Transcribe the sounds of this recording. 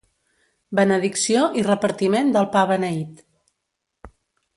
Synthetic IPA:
bənəðiksioʔirəpəɾt̪imend̪əlˠpaβənəit̪

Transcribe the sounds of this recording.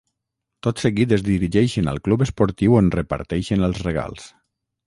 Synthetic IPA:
t̪ot̪səɣit̪əzðiɾiʒɛjʃənə̰lˠklupəspɔɾt̪iwonrəpə̰ɾt̪ɛjʃənəlˠzreɣa̰lˠs

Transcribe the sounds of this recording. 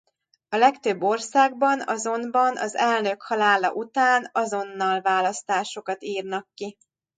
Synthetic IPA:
ɒlɛkt̪øbːo̞rsaːɡbɒnɒ̰zo̞nbɒnɒ̰zɛlnø̞khɒlaːlɒ̰ʔut̪aːnɒzo̞nːɒlvaːlɒst̪aːʃo̞kɒt̪iːrnɒkːi

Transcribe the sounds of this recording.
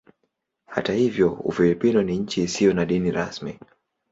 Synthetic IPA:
ha̰tahivjɔṵfilipinɔniɲ̩t͡ʃiːsijɔnaɗiniɾa̰smḭ

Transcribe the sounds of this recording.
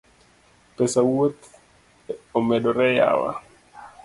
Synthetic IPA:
pɛsawot̪ | omɛɗɔɾɛja̰wa̰

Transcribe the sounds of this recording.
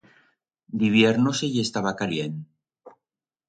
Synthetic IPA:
d̪iβjeɾnosejest̪aβakaljen

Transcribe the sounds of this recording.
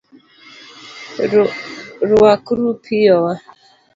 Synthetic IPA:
ɾuwakuɾupʰijɔwa

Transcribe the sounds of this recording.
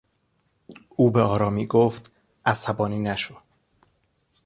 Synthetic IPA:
ʔuːbeɒːɾɒːmiːɡoft̪ | ʔæsæbɒːniːnæʃod̪

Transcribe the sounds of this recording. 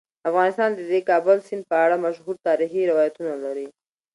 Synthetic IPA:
afɣɑnɪst̪ɑnd̪əd̪ekɑbəlsɪnd̪̚pəaɽamaʃɦuɾt̪ɑɾixiɾɪwɑjat̪unalaɾi

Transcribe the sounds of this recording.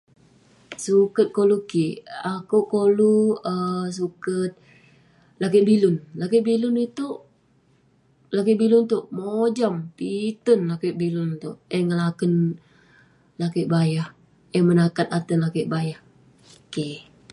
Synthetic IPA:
sukət̪̚kolukiakuʔkoluəs̬ukət̪̚ | lak̬ɪʔbilʊnlakeʔbilʊnit̪uʔ | lak̬iʔbilʊnt̪ʊʔmod͡ʒampit̪ənlakɪʔbilʊnt̪ʊʔɛŋəlakən | lakɪʔbajah | ɛmənakat̪̚at̪ənlakɪʔbajah | ke

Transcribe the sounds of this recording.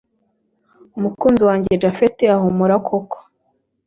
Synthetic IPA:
umukuːnziwaːɲɟed͡ʒafiteaɦomuɾakʰoko̥

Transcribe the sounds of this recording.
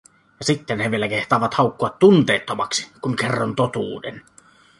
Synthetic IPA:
jɑsit̪ːenheʋielækeht̪ɑˑːʋɑt̪hɑˑukːoɑt̪tunt̪eːt̪ːomɑksi̥kuŋkerːont̪ot̪uːdḛn

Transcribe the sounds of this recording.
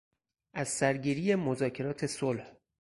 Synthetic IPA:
ʔæz̥sæɾɟiːɾiːjemozɒːcʰe̞ɾɒːt̪ʰe̞solh

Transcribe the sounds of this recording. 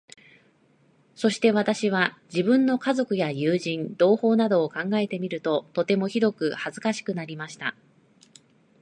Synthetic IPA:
so̞ɕi̥t̪e̞βat̪aɕiβ̞ad͡ʑibɯ̟̃nːo̞kazo̞kɯ̟jajɯːʑĩnd̪o̞ːho̞ːnad̪o̞ːkãŋɡae̞t̪e̞mʲiɾɯ̟t̪o̞t̪o̞t̪e̞mo̞çiɾo̞kɯ̟hazɨkaɕi̥kɯ̟naɾʲimaɕi̥t̪a

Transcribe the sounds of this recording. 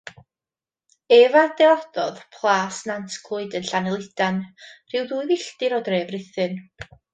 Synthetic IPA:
ɛvad̥ɛɔd̥ɔðpʰlˠaːsnantʰkʰlˠʊɨdənɬanɛlˠɪd̥anr̥ɪwdujvɪɬdɪɾɔdreːvrɪθɨn

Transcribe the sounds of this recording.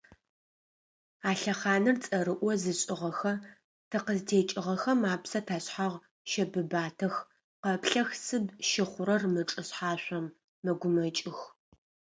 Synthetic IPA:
aːɬɐχɑːnɨrt͡sʼɐɾɨʔʷɔzɨɕʼɪʁɐxɐ | tʰɐqəztʰeːt͡ʃʼɪʁɐxɐmaːpsɐtʰaːɕħaʁ | ʃɐbɨbaːtʰɐx | qɐpɬɐxsɨbʃɪχʷʊɾɐrmɨʈ͡ʂʼɨɕħaːɕʷɔmː | ɐɡʷʊmɐt͡ʃʼɪx

